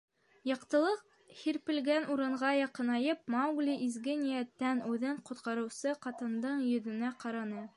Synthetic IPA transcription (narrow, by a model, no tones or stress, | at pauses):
jɑqt̪ɤ̆lˠɤq | hiɾpɘ̆lɡænʔuɾɤ̆ɴʁɑjɑqɤ̆nɑjɤp̚mawɡlʲiʔizɡɘnijæt̪ːænʉðɘɴqŏt̪qɑɾɤ̆wsɤqɑt̪ɤ̆nd̪ɤɴjɵ̆ðɘ̆næqɑɾɑnɤ